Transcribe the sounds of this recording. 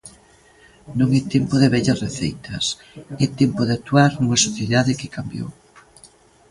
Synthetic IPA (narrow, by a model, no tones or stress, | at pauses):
nõŋɛt̪ɛmpoðeβɛʎɐsreθḛjt̪ʰɐs | ɛt̪ɛmpoðɪat̪uaɾnuŋɐsoθjeðaðɪkɪkambjo̰w